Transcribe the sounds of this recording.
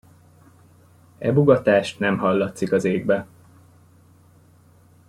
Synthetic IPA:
ɛbuɡɒt̪aːʃt̪nɛmɦɒlːɒt̪sikɒzeːɡbɛ

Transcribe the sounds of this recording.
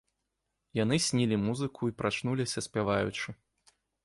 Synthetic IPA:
janɨsʲnʲilʲimuzɨkʰuipɾat͡ʂnulʲisʲɐsʲpʲavajut͡ʂɨ

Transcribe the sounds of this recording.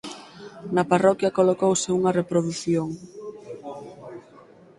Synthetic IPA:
nɐparɔkjɐkolokowsɪuŋɐrepɾoðuθjoŋ

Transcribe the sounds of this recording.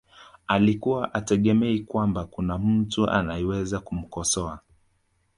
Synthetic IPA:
alikuwaʔatɛɠɛmɛikwambakunam̩tuʔa̰najɛwɛzakum̩kɔsɔa

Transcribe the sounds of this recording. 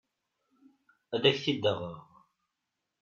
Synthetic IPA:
æðæçθid̪ːəʁəʁ

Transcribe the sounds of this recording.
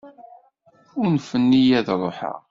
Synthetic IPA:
ʊɾnfənːijæðɾˤoħə̰ʁ

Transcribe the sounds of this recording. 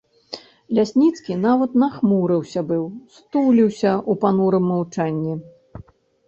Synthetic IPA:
lʲasʲnʲit̪skʲinavɐt̪naxmuɾɨwsʲɐbɨwst̪uwlʲiwsʲɐʔupanuɾɨmːawt͡ʂanʲːi

